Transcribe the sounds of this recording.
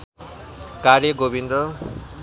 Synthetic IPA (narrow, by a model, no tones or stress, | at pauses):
kaɾjʌɡobind̪ɾʌ